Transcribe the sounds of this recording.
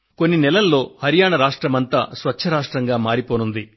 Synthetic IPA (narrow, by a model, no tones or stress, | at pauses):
ko̞nːinɛlɐlːo̞ːhɐɾijaːɳɐɾaːʂʈɾɐmɐnt̪a̰ːsʋɐt͡ʃːʰɐɾaːʂʈɾɐŋɡaːmaːɾipoːnund̪i